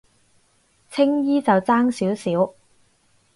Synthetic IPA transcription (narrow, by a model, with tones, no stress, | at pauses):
t͡sʰɪ˥ŋjiː˥t͡sɐ˨wt͡saː˥ŋsiː˨˥wsiː˨˥w